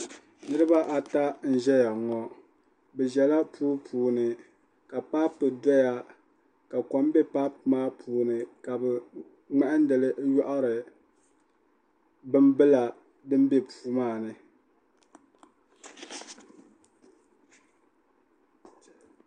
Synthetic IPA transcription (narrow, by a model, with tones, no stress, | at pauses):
nɨ˦ɾɨ˦ba˦ʔa˨ta˦n̩˦ʒɛ˦ja˨ŋɔ˨ | bɛ˨ʒɛ˨la˦pʰuː˦pʰuː˨nɨ˨ | ka˨pa˦pːɨ˨dɔ˦ja˦ | ka˨kɔ˨m˦bɛ˦pa˦pmaː˦pʰuː˨nɨ˨ka˨bɛ˨ | ŋ͡mɛ˦ʔɨ˦n˦dɨ˨lɨ˦jɔ˦ʔa˦ɾɨ˨ | bɨ˦mbɨ˦la˨ | dɨ˦m˦bɛ˦puː˦maː˦˨nɨ˨